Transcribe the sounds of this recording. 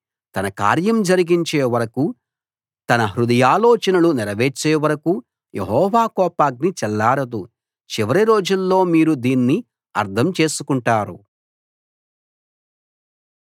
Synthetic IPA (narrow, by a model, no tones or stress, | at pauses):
t̪ɐnɐka̰ːɾjɐmd͡ʒɐɾiɡiɲt͡ʃeːʋɐɾɐku | t̪ɐnɐɦɾud̪ɐjaːlɔːt͡ʃɐnɐluniɾɐʋeːt͡ʃːeːʋɐɾɐku | jʔḛɦɔːʋaːkɔːpaːɡ̚nit͡ʃɛlːaːɾɐd̪u | t͡ʃiʋɐɾiɾo̞ːd͡ʒulːo̞ːmiːɾud̪iːnːi | ɐ̰ɾt̪ʰɐmt͡ʃe̞ːsukuɳʈaːɾṵ